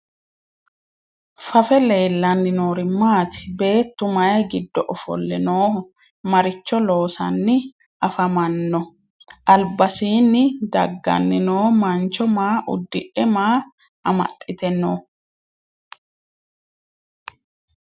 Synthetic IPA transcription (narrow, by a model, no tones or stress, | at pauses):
fɐfɛle̞ːlːɐnːɪnoːɾɪmːaːt̪ɪ̥be̞ːt̪ːʊmɐjɐɡɪd̪ːɔʔɔfɔ̰lːɛ̰noː | mɐɾɪt͡ʃːɔlo̞ːsɐ̰nːɪ | ʔɐfɐmɐnːɔ | ʔɐlbɐsiːnːɪd̪ɐ̰ɡːɐ̰nːɪnoːmɐnt͡ʃːɔmaːʔʊ̰d̪ːɪʔɛmaː | ʔɐmɐ̰t̪ʼːɪt̪ɛnːoː